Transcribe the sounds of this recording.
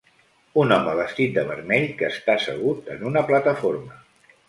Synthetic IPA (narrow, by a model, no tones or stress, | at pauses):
unɔməβəst̪it̪̚d̪əβəɾmɛʎkəːst̪asəɣ̞ut̪ənunəplət̪əfoɾmə